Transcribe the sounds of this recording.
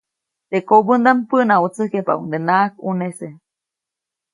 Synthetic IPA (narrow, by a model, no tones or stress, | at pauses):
t̪ekobɨnd̪ampɨnaut͡sɨkepa̰ṵd̪enak̚unese